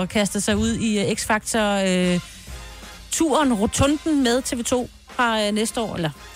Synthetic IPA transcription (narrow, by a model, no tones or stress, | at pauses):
kʰæsd̥ɐsɑ̈ɪuð̞̰ˠieɡ̥sfɑ̈ɡ̥t͡sʰɒø | t͡sʰuɐnʁot͡sʰɔ̽nd̥n̩með̞ˠt͡sʰe̝ʋe̝ːt͡sʰo̝̰ː | fʁɑ̈ønesd̥əɒ̰ːelɐ